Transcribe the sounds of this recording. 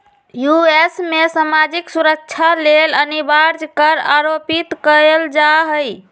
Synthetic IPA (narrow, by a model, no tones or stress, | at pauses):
juesmesamad͡ʒiksuɾək̚t͡ʃʰalelənibaɾd͡ʒkəɾaɾopit̪kəld͡ʒaɦəj